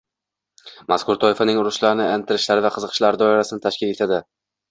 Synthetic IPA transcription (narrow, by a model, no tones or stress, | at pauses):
maskʊɾt̪ʰɒɪfanɪŋʊɾʊʃlaɾnɪent̪ʰɪɾɪʃlaɾɪvaqʰɨzɨqʰɨ̥ʃlaɾɪd̪ɒɪɾasɪnɪt̪ʰaʃkʲɪle̞t̪ʰad̪ɪ